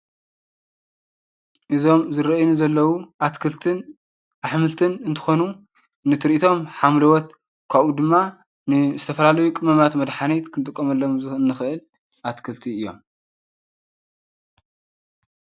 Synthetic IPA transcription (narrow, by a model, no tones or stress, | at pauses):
ʔɨzo̞mzɨɾɐʔjnuzɐlːɐwuʔat̪kʰɨlt̪ʰɨn | ʔaħmɨlt̪ʰɨnɨnt̪ʰɨ̥xo̞nuː | ɨt̪ʰɨɾʔit̪ʰo̞mħamlɐwɔt̪ | kʰaβud̪ɨmːa | nɨzɨt̪ʰɐfɐlalɐjukʼɨmɐmat̪mɐd̪ħanet̪kʰɨnt̪ʼɨkʼːɐmɐlːomzɨɨnːɨxɨʔɨl | ʔat̪kʰɨlt̪ʰiɨjːo̞̰m